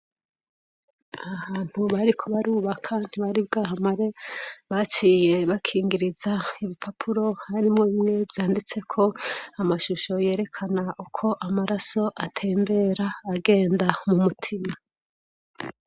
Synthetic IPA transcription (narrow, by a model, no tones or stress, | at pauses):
ahaːn̥huβaɾikʰo̞βaɾuːβakʰan̥iβaɾibɡaːɦamaɾe̞βat͡ʃiːje̞βakʰiːŋɡiɾizaiβipʰapʰuɾo̞haɾimŋo̞βimŋe̞vjaːndit͡se̞kʰo̞amaʃuʃo̞je̞ːɾe̞kʰanaukʰo̞ʔamaɾaso̞ʔatʰe̞ːmbe̞ɾaːɡe̞ːndamumutʰima